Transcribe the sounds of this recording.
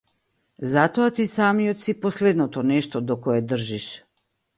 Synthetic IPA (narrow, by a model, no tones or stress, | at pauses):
zat̪oat̪isamijɔt̪sipɔslɛd̪nɔt̪ɔnɛʃt̪ɔd̪ɔkɔɛd̪r̩ʒiʃ